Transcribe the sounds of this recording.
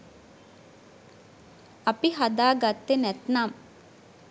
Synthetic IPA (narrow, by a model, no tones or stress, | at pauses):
apiɦad̪aːɡat̪ːenɛt̪nam